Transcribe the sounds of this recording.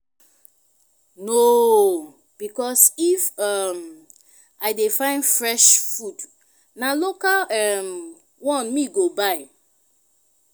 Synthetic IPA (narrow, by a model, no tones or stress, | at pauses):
no | b̥ikɔsifʌm | ʔaɪdefãɪ̃ndfɹɛʃfud | nalokalɛm | wɔ̃nmiɡobaɪ